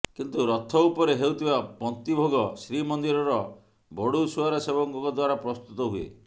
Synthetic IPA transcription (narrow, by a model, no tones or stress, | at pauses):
kint̪uɾɔt̪ʰːɔupɔɾeɦewt̪ʰibapɔnt̪ibʱoɡɔsɾimɔnd̪iɾɔɾɔ | bɔɽusuaɾɔsebɔŋkɔŋkɔd̪waɾapɾɔst̪ut̪ɔɦuḛ